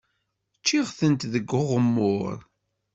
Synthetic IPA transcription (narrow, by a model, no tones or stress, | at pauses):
t͡ʃːiʁθənt̪ðəɡːʊʁəmːʊɾ